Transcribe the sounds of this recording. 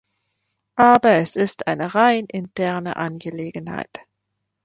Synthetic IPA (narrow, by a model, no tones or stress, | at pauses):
ʔaːbɐɛsɪstʔaɪnəʁaɪnʔɪntʰɛɐnə̰ʔanɡəleːɡən̩ha̰ɪt